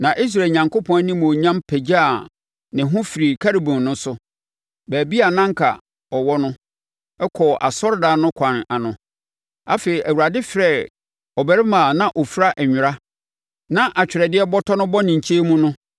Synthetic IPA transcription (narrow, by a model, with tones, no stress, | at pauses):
nã˨ʔi˦s̬ɾa˨lɲã˨ŋko˦pʰɔ̃˦nĩ˦m̃˨o˨ɲã˦mpʰɛ˨d͡ʑa˦a˨ | nɪ̃˨ɦʊ̃˦fi˨ɾi˨kʰa˦ɾi˨bʊ̃˨nnʊ̃˦sʊ˦ | bæː˨bi˦a˨nã˦ŋ˦kʰa̰˨ | ɔ˨wɔ˦nʊ̃˦ | ɛ˦kʰɔ˨ʔa˨sɔ˦ɾda˦˨nʊ̃˦kʷʰã˨n˨a˨nʊ̃˨ | a̰˦feː˨ɾi˨ʔæ˨wu˨ɾa˨dɪ˦fɾɛ˦˨ | ɔ˨bɛ˨ɾɪ˦mãː˨nã˦˨ʔɔ˨fɾa˦ʔɛ˨ɲᶣʊ˨ɾa˦ | nã˦ʔa˨t͡ɕᶣɪ˨ɾɛ˨dɪ˦ɛ˦bɔ˦tʰɔ˦nʊ̃˦bɔ˦nɪ̃˨ɲ˨t͡ɕʰe˦mũ˦nʊ̃˦